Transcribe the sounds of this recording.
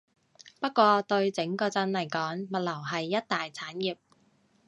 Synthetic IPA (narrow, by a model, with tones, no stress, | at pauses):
pɐ˥t̚kːʷɔː˧t̪ɵ˧ɥt͡sɪ˨˥ŋkɔː˧t͡sɐ˧nlɐ˨˩jkɔː˨˥ŋmɐ˨t̚lɐ˨˩wɦɐ˨jːɐ˥t̚t̪aː˨jt͡sʰaː˨˥njiː˨p̚